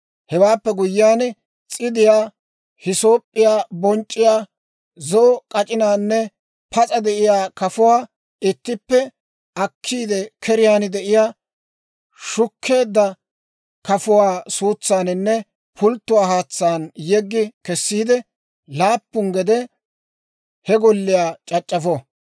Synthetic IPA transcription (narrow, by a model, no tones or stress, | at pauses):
hɛwaːpːɛɡʊjːjaːn | t͡sʼɪd̪ɪjaː | hɪso̞ːpʼːɪjaːbɔnt͡ʃʼːɪjaː | zɔkʼɐt͡ʃʼɪnaːnːɛ | pʰɐt͡sʼɐd̪ɛʔɪjaːkɐfʊwaː | ɪt̪ːɪpːɛ | ʔɐkʰːiːd̪ɛkʰɛɾɪjaːnɪd̪ɛʔɪjaː | ʃʊkʰːe̞ːd̪ːɐ | kɐfʊwaːsuːt͡sːaːnɪnːɛ | pʰʊlt̪ːʊwaːhaːt͡sːaːnjɛɡːɪkɛsːiːd̪ɛ | laːpːʊŋɡɛd̪ɛ | hɛɡɔlːɪjaːt͡ʃʼɐt͡ʃʼːɐfɔ